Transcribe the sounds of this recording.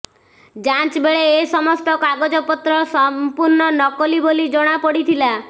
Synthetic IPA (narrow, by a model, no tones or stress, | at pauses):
d͡ʒant͡ʃbeɭeːsɔmɔst̪ɔkaɡod͡ʒɔpɔt̪ɾɔsɔmpuɾɳɔnɔkɔlibolid͡ʒɔɽ̃apɔɽit̪ʰila